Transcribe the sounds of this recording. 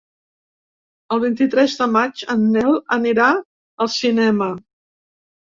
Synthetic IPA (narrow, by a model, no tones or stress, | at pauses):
əlˠβ̞int̪it̪ɾɛzðəmad͡ʒənːɛləniɾa | əlˠsinɛmə